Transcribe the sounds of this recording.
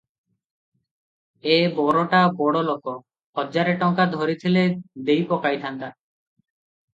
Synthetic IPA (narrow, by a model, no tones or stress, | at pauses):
ebɔɾoʈabɔɽoloko | hɔd͡ʒaɾeʈɔŋkad̪ʱoɾit̪ʰiled̪ejpɔkajt̪ʰant̪a